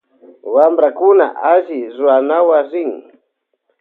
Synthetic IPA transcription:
wambɾakuna̰ʔaʒizwanawaziŋ

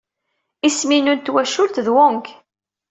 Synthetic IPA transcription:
isminunt̪wæʃʊlt̪ðwʊŋk

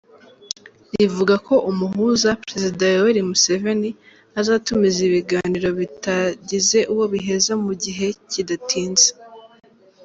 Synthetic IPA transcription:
ɾivuɡakʰo̞ʔumuɦuːzapɾe̞zidajoweɾimuse̞ve̞ni | azaːtumiziβiɡaːniɾo̞βitaɟize̞ʔuwo̞βiɦe̞zamuɟiɦe̞cidatʰiːnze̥

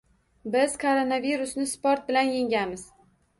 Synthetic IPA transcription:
bɪz̥kʰoɾonaviɾʊsnɪspoɾt̪̚bɪlanjeŋʲamɪz̥

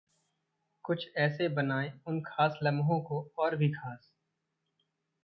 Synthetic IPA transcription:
kʊt͡ʃʰɛːsebɐnaːẽʊnkʰaːslɐ̃mɦõkoɔːɾbʱikʰaːs

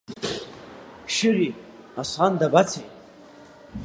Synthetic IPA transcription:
ʃɪri | asʷχandabat͡sʰejtʼ

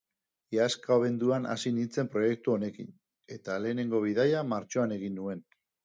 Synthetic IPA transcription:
askaoβ̞e̞nd̪uana̰sinint͡se̞mpɾo̞je̞k̚t̪uo̞ne̞kin | e̞t̪ale̞ːne̞ŋɡo̞β̞iðajamaɾt͡ʃo̞ane̞ɣinːue̞n

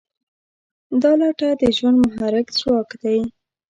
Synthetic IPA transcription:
d̪ɑlɑʈad̪əʒwand̪mʊɦaɾɪkt͡swɑkd̪aj

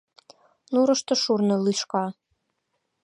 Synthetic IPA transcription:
nuɾɤ̆ʃt̪ɤ̆ʃurnɤ̆liʃkɑ

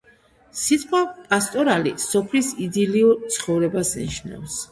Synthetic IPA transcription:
sit̪ʼqʼwapʼast̪ʼɔɾalḭsɔpʰlisid̪iliuɾt̪sʰχɔvɾɛbasnḭʃna̰fs

